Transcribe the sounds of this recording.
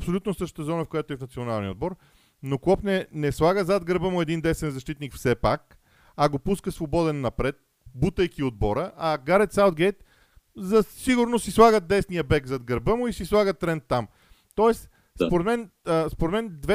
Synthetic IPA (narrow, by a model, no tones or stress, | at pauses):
psolʲut̪nosɤʃt̪ə̥t̪əzɔnəfkojat̪oɛfnɐt̪sionalˠniəod̪̚bɔɾ | nokˠɔpnɛnɛslˠaɡəzad̪ɡəɾbəmʊɛd̪ind̪ɛsvɛnzɐʃt̪it̪nikfsɛpak̚ | ɐɡopuskəsvobɔd̪ɛnːɐpɾɛt̪̚ | but̪əjkiod̪̚bɔɾəʔɐɡaɾɛt̪sawd̪̚ɡɛjt̪ | zɐsiɡʊɾnosislˠaɡət̪̚d̪ɛsnijəbɛɡzad̪ɡəɾbəmʊisislˠaɡət̪ːɾɛnt̪ːam | t̪ɔɛs | spoɾɛt̪mɛnəspoɾɛt̪mɛnd̪vɛ